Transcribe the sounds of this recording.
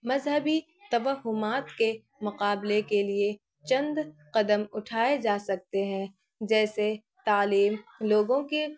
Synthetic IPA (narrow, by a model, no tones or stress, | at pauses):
mɐzɦəbi | t̪ɐʋəɦʊmaːt̪ke | mʊqaːblekelie | t͡ʃɐ̃nd̪qɐd̪əmʊʈʰaːed͡ʒaːsɐk̚t̪eɦɛ̃ | d͡ʒɛːse | t̪aːliːmloːɡõke